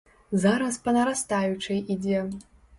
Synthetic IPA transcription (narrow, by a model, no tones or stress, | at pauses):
zaɾɐspɐnɐɾast̪ajut͡ʂɨjʔid͡zʲɛ